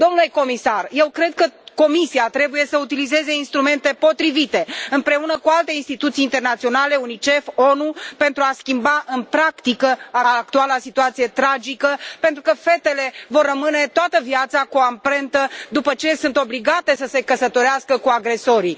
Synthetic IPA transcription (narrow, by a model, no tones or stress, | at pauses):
d̪o̞mnuleko̞misarje̞wkɾe̞d̪̚kəko̞misiat̪ɾe̞buje̞səut̪ilize̞ze̞inst̪ɾume̞nt̪e̞po̞t̪ɾivit̪e̞ɨmpɾe̞unəkualt̪e̞inst̪it̪ut̪siːnt̪e̞rnat̪sio̞nale̞unit͡ʃe̞fonupe̞nt̪ɾuaskʲimbaʔɨnpɾakt̪ikəak̚t̪ualasit̪uat̪sije̞t̪ɾad͡ʒikəpe̞nt̪ɾukəfe̞t̪e̞le̞vo̞rːəmɨne̞t̪oat̪əviat̪sakuampɾe̞nt̪əd̪upət͡ʃe̞sunt̪o̞bliɡat̪e̞səse̞kəsət̪o̞ɾeaskəkuaɡɾe̞so̞ɾi